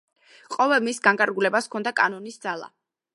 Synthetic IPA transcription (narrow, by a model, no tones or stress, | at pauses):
qʼɔvɛlˠmisɡaŋkʼaɾɡulɛbaskʰɔnd̪akʼanɔnisd̪zalˠa̰